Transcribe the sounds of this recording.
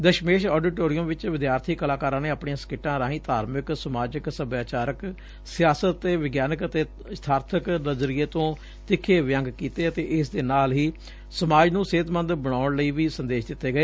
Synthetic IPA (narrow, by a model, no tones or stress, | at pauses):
d̪əʃmeːʃɔːɖɪːʈoːɾɪjəmʋɪt͡ʃʋɪd̪jaːɾt̪ʰiːkəlaːkaːɾãːneːaːpɳiːãːsə̥kɪʈːãːɾãːɦĩːt̪aːɾmɪksəmaːd͡ʒəksəbjaːt͡ʃaːɾək | sɪjaːsət̪ːeːʋɪɡjaːnəkət̪eː | st̪ʰaːɾt̪ʰəknəzɾieːt̪õː | t̪ɪkʰːeːʋjə̃ŋɡkiːt̪eːət̪eːʔɪsd̪eːnaːlɦiː | səmaːd͡ʒnũːseːt̪mə̃nd̪bəɽ̃aːɳləiːʋiːsə̃nd̪eːʃd̪ɪt̪ːeːɡəeː